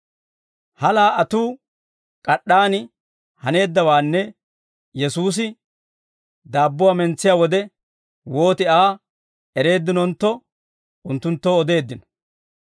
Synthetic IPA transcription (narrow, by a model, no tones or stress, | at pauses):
hɐlaːɐt̪uː | kʼɐɗːaːnɪ | hɐne̞ːd̪ːɐwaːnːɛ | jɛsuːs̬ɪ | d̪aːbːʊwaːmɛnt͡sːɪjaːwɔd̪ɛ | wo̞ːt̪ɪaː | ɛɾe̞ːd̪ːɪnɔnt̪ːɔ | ʊnt̪ːʊnt̪ːoːɔd̪e̞ːd̪ːɪnɔ̥